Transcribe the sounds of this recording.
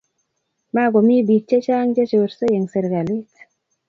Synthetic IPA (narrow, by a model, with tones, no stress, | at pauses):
ma˦ɡo˨mi˦bi˨t͡ʃːe˦t͡ʃa˦ŋd͡ʒe˦t͡ʃo˨ɾse˦je˨ŋse˨ɾɡa˨li˦t